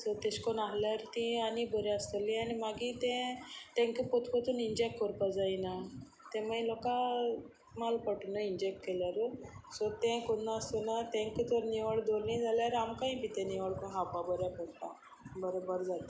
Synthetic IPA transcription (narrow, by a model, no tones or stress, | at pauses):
sɔt̪eɕkɔnaɦljaɾt̪ĩanibəɾjɛəst̪əlianimaɡit̪ɛ̃t̪ɛ̃ŋkəpɔt̪ʰpət̪ʰuːnind͡ʑekʈkɔɾpad͡zaina | t̪ɛ̃mailɔka | malpəʈnəind͡ʑek̚ʈkeljaɾsɔt̪ɛ̃kunːaəst̪ɔnat̪ɛ̃ŋkət̪ɔɾniʋəɭd̪olnĩd͡zaljaɾamkaĩpit̪ɛ̃niʋəɭkɔnɦapabəɾjapəɽt̪a | bəɾobəɾd͡zat̪a